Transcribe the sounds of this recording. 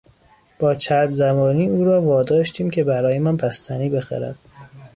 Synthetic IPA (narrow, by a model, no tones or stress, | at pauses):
b̥ɒːt͡ʃʰæɾbzæmɒːniːuːɾɒːvɒːd̪ɒːʃt̪ʰiːmcʲʰe̞bæɾɒːjemænpʰæst̪ʰæniːbe̞xæ̰ɾæ̰d̪̥